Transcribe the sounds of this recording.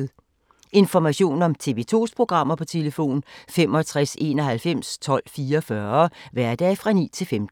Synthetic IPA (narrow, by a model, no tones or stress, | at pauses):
ð̩ˠ | e̝nfɒmæɕo̝̰ːnɒ̽mt͡sʰe̝ʋe̝t͡sʰo̝̰ːspʰʁo̝ɡ̥ʁɑ̈m̰ɐpʰɒ̽t͡sʰe̝ləfo̝̰ːnfem̰ɒ̽t͡sʰʁase̝̰ːnɒ̽ɦælfem̰st͡sʰɒ̽l̰fiːɐɒfɶɐʋæɐ̰d̥ɛ̰ːfʁɑ̈nḭːt͡sʰe̝lfemd̥n̩